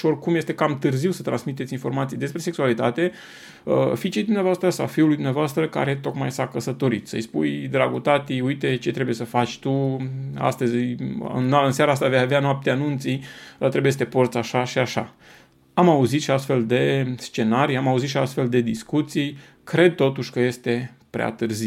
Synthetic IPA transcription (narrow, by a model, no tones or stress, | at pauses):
o̞rkumje̞st̪e̞kamt̪ɨrziwsə̥t̪ɾansmit̪e̞t̪ʲinfo̞rmat̪sijd̪e̞spɾe̞se̞ksualit̪a̰t̪e̞ | ə̰fit͡ʃejd̪umneavoast̪ɾəasa̰fiulujd̪umneavoast̪ɾəka̰ɾe̞t̪o̞kma̰jsakəsət̪o̞ɾit̪sə̰jspujd̪ɾaɡut̪at̪iujt̪e̞t͡ʃet̪ɾe̞buje̞səfat͡ʃʲt̪ua̰st̪əzʲɨ̰nːaɨnsjaɾaast̪avejaveanoap̚t̪eanunt̪sit̪ɾebujes̬t̪e̞port̪saʃaʃiaʃa̰ | amauzit̪ʃiast̪fe̞ld̪e̞st͡ʃe̞naɾijamauzit̪ʃia̰st̪fe̞ld̪e̞d̪iskut̪sij | kɾe̞d̪̚t̪o̞t̪uʃʲkəje̞st̪e̞ | pɾea̰t̪ɨrzi